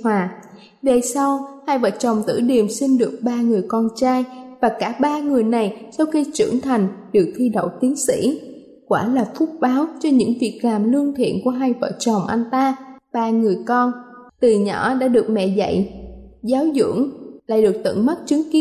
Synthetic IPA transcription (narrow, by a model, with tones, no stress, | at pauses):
hwaː˨˩ | ve˨˩sa˧whaː˧jvə̰ː˧˨˩t̚t͡ɕə˨˩wŋ͡mt̪ɨ̰˧˩ɗi˨˩əmsi˧nɗɨ˨˩ək̚ɓaː˧ŋɨ˨˩əjkɔ˧nt͡ɕaː˧jvaː˨˩kaː˧˩ɓaː˧ŋɨ˨˩əjna˨˩jsa˧wxi˧t͡ɕɨ̰˧˩əŋt̪ʰa˨˩jŋ̟ɗɨ˨˩ək̚t̪ʰi˧ɗə̰˧˨wt̪i˨˦ənsḭ˧˥ | kwaː˧˩laː˨˩fʊ˦˥t̚ɓaː˨˦wt͡ɕɔ˧ɲɨ̰˧˥ŋvi˨˩ək̚laː˨˩mlɨ˧əŋt̪ʰḭ˧˨ənku˧˩əɦaː˧jvə̰ː˧˨˩t͡ɕə˨˩wŋ͡mʔa˧nt̪aː˧ɓaː˧ŋɨ˨˩əjkɔ˧n | t̪ɨ˨˩ɲɔ̰˧˩˥ɗa̰ː˧˥ɗɨ˨˩ək̚mɛ̰˧˨zə̰˧˨jzaː˨˦wzɨ̰˧˩əŋla̰ː˧˨jɗɨ˨˩ək̚t̪ɨ̰˧˨ŋmə˦˥t̚t͡ɕɨ˨˦ŋki˦